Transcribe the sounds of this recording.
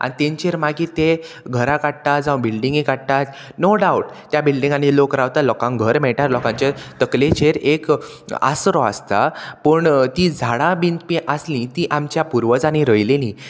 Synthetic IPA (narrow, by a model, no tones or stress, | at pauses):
a̰ɽ̃it̪ẽɲt͡ɕeɾmaɡiːt̪e | ɡʱəɾãkaɽt̪ad͡zawbilɖĩŋɡikaɽt̪at̪ | noɖauʈt̪jabilɖĩŋɡanilokɾaʋt̪alɔkãŋɡʱəɾm̤ɛɭʈaɾlɔkãɲt͡ɕat̪əklet͡ɕeɾek | a̰sɾɔa̰st̪apəɳt̪id͡zʱaɽãbint̪piʔaslĩt̪iʔamt͡ɕjapuɾʋəd͡zañiɾəjlelĩ